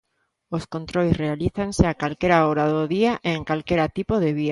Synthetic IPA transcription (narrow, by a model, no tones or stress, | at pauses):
oskont̪ɾojsrealiθanseakalkeɾaoɾaðoðiaʔeːŋkalkeɾat̪ipoð̞eβia